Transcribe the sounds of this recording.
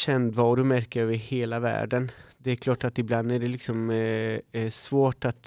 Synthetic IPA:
ɕɛnd̪vɑːɾɵmæɾkəøːvəɾheːlavæ̰ːɖənd̪ɛːɾkʰlɑːʈat̪ɪbland̪æɖɛlɪksɔm | svoːʈat̪

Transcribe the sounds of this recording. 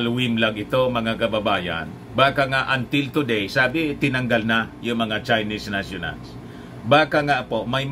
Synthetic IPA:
lwɪmlaɡʔɪt̪o̞mɐŋakɐbabaːja̰n | baːkaŋaʔant̪ɪlt̪ʊd̪ɛjsaːbɪt̪ɪnaŋɡalnajʊŋmɐŋat͡ʃajnisnasjʊna̰ls | baːkaŋaʔpomajm

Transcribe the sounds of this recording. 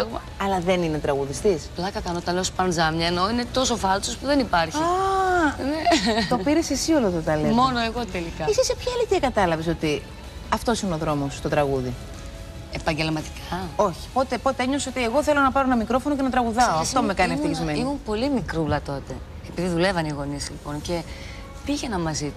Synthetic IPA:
mɐ | ɐlɐðe̞nine̞t̪ɾɐɣuðist̪isplɐkɐt̪ɐnot̪ɐnleospɐnzɐmɲɐeno̞ine̞t̪o̞so̞fɐlsospuðe̞nipɐɾçiɐ | net̪o̞piɾe̞se̞sio̞loeðot̪ɐlemo̞noeɣo̞t̪elikɐisisepçɐelit̪iɐkɐt̪ɐlɐviso̞t̪i | ɐft̪o̞siunoðɾo̞mo̞st̪o̞t̪ɾɐɣuði | epɐɲɟe̞lmɐt̪i̥kʰɐo̞çi̥po̞t̪epo̞t̪e̞eɲosot̪ie̞ɣo̞θe̞lo̞nɐpɐɾoenɐmikɾo̞fo̞no̞ce̞nɐt̪ɾɐɣuðɐoɐft̪o̞me̞kɐnieft̪içizmenimumpo̞limikɾulɐt̪o̞t̪e̞ | epiðiðule̞vɐniɣo̞nislipo̞nce̞ | fiʝenɐmɐzit̪u

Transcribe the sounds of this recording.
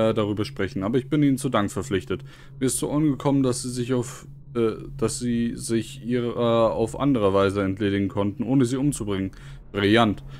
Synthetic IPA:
daʁyːbɐʃpʁ̥ɛçn̩ʔaːbɐɪçb̥ɪniːnənt͡sudaŋkfɛɐflɪçtət | miːɐɪstz̥o̰ːʔanɡəkʰɔməndasz̥iːzɪçaʊf | ɛd̥asz̥iːzɪçʔiːʁəa̰ʊfʔa̰ndəʁəvaɪzəɛntʰleːdɪɡŋ̩kʰɔntn̩ʔoːnəziːʊmt͡subʁɪŋən | b̥ʁɪljant

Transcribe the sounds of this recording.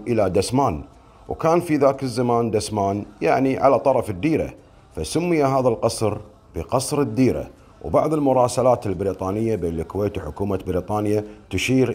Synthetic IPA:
ʔəlad̪asmaːn | wkaːnfiðaːkɪzːamaːnd̪asmaːnjaʕniʕa̰lat̪ˤɑɾˤɑfɪd̪ːiːɾa̰ | fasʊmːɪjaɦaːðalqɑsˤɾ | b̥əqɑsˤɾɪd̪ːiːɾa̰ | wbɑʕðˤəlmʊɾˤɑːsalaːt̪ɪlbɾiːt̪ˤɑːnɪjːabeːnlkweːt̪wħʊkuːmabɪɾiːt̪ˤɑːnjat̪ʊʃiːɾ

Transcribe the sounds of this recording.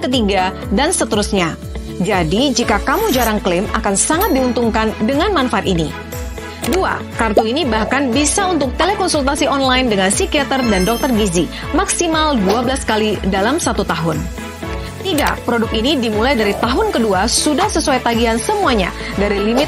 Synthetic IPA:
kət̪iɡa | dansət̪əɾusɲa | d͡ʒadid͡ʒikakamud͡ʒaɾaŋklɪma̰kansaŋat̪̚diunt̪uŋkandəŋanmanfaat̪inḭ | dua̰ | kart̪uinibahkanbisaunt̪ʊk̚t̪elɛkɔnsult̪asiɔnlaɪndəŋansikiat̪ərdandɔk̚t̪ərɡizi | maksimalduabəlaskalidalamsat̪ut̪aɦʊn | t̪ida̰ʔpɾɔdʊk̚inidimulajdaɾit̪aɦʊnkəduasudahsəsuajt̪aɡiansəmuaɲa̰ | daɾilimɪt̪

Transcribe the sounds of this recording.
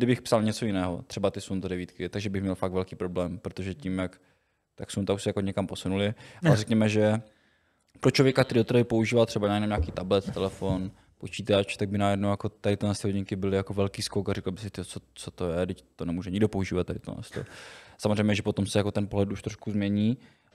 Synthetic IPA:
dɪbɪxpsalɲɛt͡so̞jɪnɛːɦo̰t̪r̝̥ɛbat̪ɪsunt̪adɛviːt̪kɪt̪aɡʒɛbɪxmɲɛlfaktvɛlkiːpɾo̞blɛːmpɾot̪oʒɛcimjak | t̪aksunt̪auʃsɛjakoɲɛkampo̞sunulɪʔalɛɾɛkɲɛmɛʒɛ | pɾot͡ʃlovjɛkakt̪ɛɾid̪ot̪ɛɾabɪpouʒiːvalt̪r̝ɛbanajɛnomɲaːkiːt̪ablɛt̪t̪ɛlɛfon | po̞t͡ʃiːt̪at͡ʃt̪aɡ̚bɪnajɛdnowjakot̪aɾɪt̪onɛst̪hoɲɪŋkɪbɪlɪjakovɛlkiːskowkaɾɛkl̩bɪsɪt̪ɪot͡sot͡sot̪ojɛdɪct̪onɛmuːʒɛɲɪɡdopo̞uʒiːvat̪ːadɪt̪o̰nɛ̰st̪o̰samozrɛjmɲɛʒɛpo̞t̪o̞msɛjakot̪ɛnpoɦlɛt̪uʃt̪ɾoʃkuzmɲɛɲiː

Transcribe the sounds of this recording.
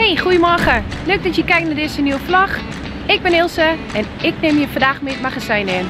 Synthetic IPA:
hejxujəmɔəxəløːk̚dɔtjəkɛjk̚nadɪsənjuwəflɔx | ɪk̚bɪnɪlˠsəɛn | ɪk̚nɪmjəfɔ̃ndaxmɪːt̚maxasɛjnɪn

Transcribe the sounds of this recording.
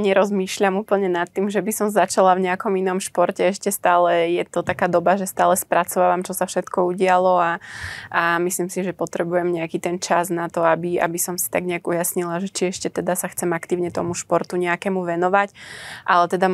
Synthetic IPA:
ɲɛɾɔzmiːʃʎamuːpl̩ɲɛnat̪ːimʒɛbisɔmzat͡ʃalavɲɛakɔminɔmʃpɔɾcɛɛʃcɛst̪aːlɛjɛt̪ɔt̪akaːd̪ɔbaʒɛst̪aːlɛspɾʔat͡sɔʋaːʋamt͡ʃɔsafʃɛt̪kɔuɟɪalɔaamislimsiʒɛpɔt̪ɾɛbujɛmɲɛakit̪ɛnt͡ʃaznat̪ɔabia̰bisɔmsi̥t̪aɡɲɛaɡujasɲilaʒɛt͡ʃiɛʃcɛt̪ɛd̪asaxt͡sɛmakt̪iːʊɲɛt̪ɔmuʃpɔɾt̪uɲɛakɛːmuʋɛnɔʋacʔalɛt̪ɛd̪a

